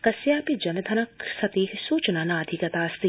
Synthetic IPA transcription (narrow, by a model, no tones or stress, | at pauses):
kɐsjaːpid͡ʒɐnɐd̪ʱɐnɐksɐt̪iːsuːt͡ʃnanaɐd̪ʱikɐt̪aːst̪i